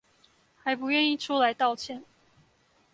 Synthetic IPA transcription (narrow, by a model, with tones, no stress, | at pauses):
xa˨˥ɪpu˨˧˦jɥɛ˥˧ni˥˩ʈ͡ʂʰu˥la˧˥ɪt̪ɑ˥˩ʊt͡ɕʰjɛ˧˥˦n